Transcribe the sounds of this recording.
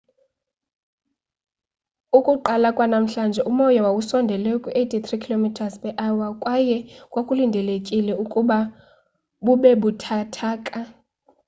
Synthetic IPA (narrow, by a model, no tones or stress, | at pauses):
ukʼuǃalakʼwanam̩ɬand͡ʒʱɛʔumɔjawawusɔndʱɛlɛukʼuʔetʰʼit̪rikʰilomitʰaspʼɛʔawakʼwajɛkʼwakʼulindʱɛlekʼilɛukʼuɓa | ɓuɓɛɓutʰatʰaːkʼa